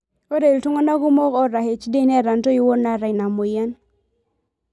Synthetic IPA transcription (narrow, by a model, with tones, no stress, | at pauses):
o˦ɾe˨i˨ltu˦ŋo˦na˦ɡʊ˦mɔ˦kɔ˦ɾa˨he˨t͡ʃde˦nɛ˦ɾa˨nto˦i˦wo˦na˦ɾa˨jna˨mo˨ja˦n